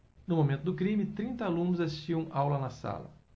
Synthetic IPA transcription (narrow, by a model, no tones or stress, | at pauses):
nʊmomẽnt̪ʊd̪ʊkɾĩmɪt̪ɾĩnt̪ɐalũnʊzasist͡ʃiɐ̃awlɐnɐsa̰lɐ̰